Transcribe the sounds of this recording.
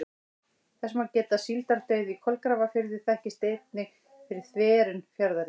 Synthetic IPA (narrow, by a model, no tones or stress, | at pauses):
θɛsmawcɛːt̪asilt̪aɾt̪œːɥðikʰɔlkɾaːvafɪɾðɪ̥θɛhcɪst̪ejt̪̚nɪ | fɪɾɪɾ̥θvɛːɾʏnfjaɾðaɾɪ